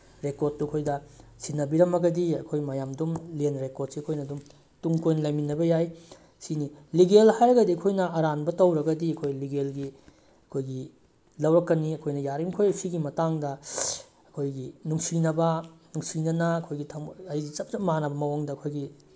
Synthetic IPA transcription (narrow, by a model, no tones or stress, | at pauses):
ɾekoɾt̚tːuɐkʰojdɐsinːɐbiɾɐmɐɡɐdiɐkʰojmɐjamdumlenɾekod̚siɐkʰojnɐdum | tuŋkojnɐlajminːɐbɐjaj | siniliɡelhajɾɐɡɐdiɐkʰojnɐʔɐɾanbɐtɐwɾɐɡɐdiɐkʰojliɡelɡi | ɐkʰojɡi | lɐwɾɐkːɐniɐkʰojnɐjaɾimkʰojsiɡimɐtaŋdɐ | ɐkʰojɡinuŋsinɐbɐnuŋsinɐnɐɐkʰojɡitʰɐŋɐjɡit͡ʃɐp̚t͡ʃɐmanɐbɐmɐwaŋdɐɐkʰojɡi